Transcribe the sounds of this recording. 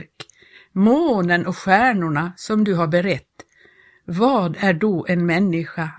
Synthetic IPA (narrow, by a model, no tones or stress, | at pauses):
ɾk | moːnənʔɔkɧæːɳʊɳasɔmd̪ɵɦaɾbɛɾɛt̪ː | vɑːd̪æɖɔʔɛnmɛnːɪɧa